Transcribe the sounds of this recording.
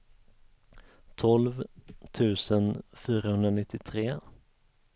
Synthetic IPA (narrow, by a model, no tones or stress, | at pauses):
t̪ʰɔlvt̪ʰʉ̟ːsənfyːɾahɵnd̪ɾanɪt̪ʰːɪt̪ʰɾeː